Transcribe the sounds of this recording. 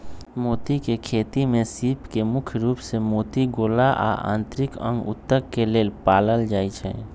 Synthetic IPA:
moːt̪ikekʰeːt̪imẽsiːpkemʊkʰjɾuːpsemoːt̪iɡoːlaʔa̰ʔã̰ːnt̪ɾɪkə̰̃ŋɡʊ̰t̪ːəkːeleːlpaːləld͡ʒaːit͡ʃʰɛ̰

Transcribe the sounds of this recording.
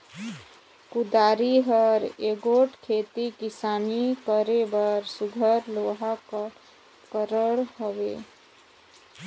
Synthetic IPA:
kud̪aːɾiɦəɾeɡoʈkʰet̪ikisanikəɾebəɾsuɡʱəɾloɦak | kəɾəɽɦəʋḛ

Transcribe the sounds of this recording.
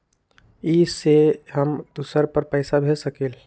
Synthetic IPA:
iseɦəmd̪usəɾpəɾpəɪsabʱesəkeːl

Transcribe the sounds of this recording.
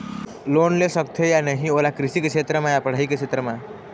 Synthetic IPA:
loːnlesəkt̪ʰejanəɦĩoːlakɾɪsikeʃʰeːt̪ɾəmãjapɐɽ̤aːikeʃʰeːt̪ɾəmã

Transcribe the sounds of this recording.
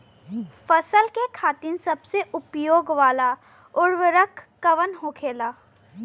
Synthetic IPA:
fɐsəlkekʰaːt̪insɐbseʔʊpjoːɡʋaːla | ʊɾʋəɾəkʰːəʋənɦoːkʰeːlaː

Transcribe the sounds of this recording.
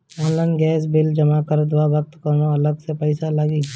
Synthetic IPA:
ɔːnlaɪnɡɛːs̬bɪld͡ʒɐmakəɾd̪ʊwaːbək̚t̪kəmõɐləɡsepɐɪsalaːɡiː

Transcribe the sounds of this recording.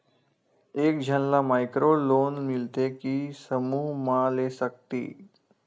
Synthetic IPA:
eːk̚d͡ʒʱənlamajkɾoloːnmilt̪ekisəmuːɦmalesək̚t̪ḭː

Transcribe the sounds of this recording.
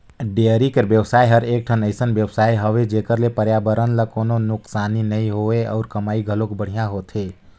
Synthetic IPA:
ɖeəɾikeɾʋjəwsaːiɦəɾeːk̚ʈʰənəɪsənʋjəʋsaːiɦəʋed͡ʒeːkəɾlepəɾjaːbəɾənlakoːnonʊksaːninəĩɦoeɔ̰ːɾkəmaːiɡʱəlokbəɽ̤ijãɦoːt̪ʰe

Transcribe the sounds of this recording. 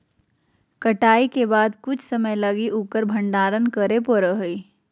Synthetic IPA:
kɐʈaːikebaːd̪kʊt͡ʃʰsɐməjlɐɡiʔukəɾbʱɐ̃ɳɖaːɾənkəɾepoɾəɦoi

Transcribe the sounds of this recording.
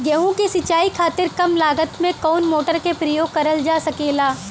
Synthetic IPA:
ɡɛɦũkisɪt͡ʃaːikʰaːt̪ɪɾkɐmlaːɡət̪mẽkɔːnmoːʈəɾkepɾɐjoːɡ̚kɐɾəld͡ʒaːsɐkeːlaː

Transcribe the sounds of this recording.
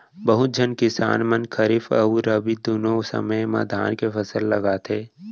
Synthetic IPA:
bəɦʊt̪̚d͡ʒʱənkɪsa̰ːnmənkʰəɾɪfɐ̰uɾəbid̪unõsə̰məjma̰d̪ʱa̰ːnkepʰɐsəlːɐɡaːt̪ʰeː

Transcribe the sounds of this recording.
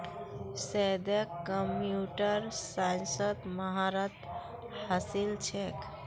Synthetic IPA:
sɛd̪əkːəmjuʈəɾsansəd̪məɦaɾət̪ | hasilt͡ʃʰɛk

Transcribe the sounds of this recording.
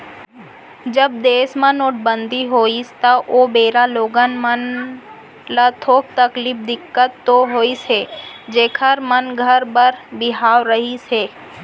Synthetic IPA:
d͡ʒəb̚d̪eːsmãnoːʈ̚ʰbənd̪iɦoːist̪aʔoːbeːɾaloːɡənmən | lat̪ʰoːk̚t̪əkliːpd̪ɪkːət̪ːoɦoːised͡ʒeːkʰəɾmənɡʱəɾbəɾbɪɦaːʋɾəɦiseː

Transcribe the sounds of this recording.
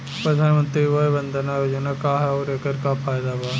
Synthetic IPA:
pɾɐd̪ʱaːnmə̃nt̪ɾiʋoebɐ̃nd̪ʱənaːjod͡ʒonɐkaɦɛoːɾekəɾkapʰaːɪd̪abaː

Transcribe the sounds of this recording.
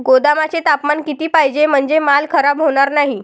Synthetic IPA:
ɡod̪amat͡set̪apmankit̪iːpajd͡ʑem̤əɳd͡zemalkʰəɾabɦoɽ̃aɾnaɦi

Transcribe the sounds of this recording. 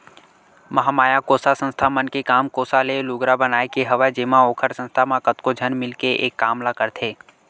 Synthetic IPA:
mɐɦamaːjakoːsasə̃nst̪ʰamənkekaːmkoːsaleluɡɾabənaːekeɦɐʋad͡ʒeːmãoːkʰəɾsə̃nst̪ʰamãkət̪kod͡ʒʱənmɪlkeʔḛːkːaːmlakəɾt̪ʰeː

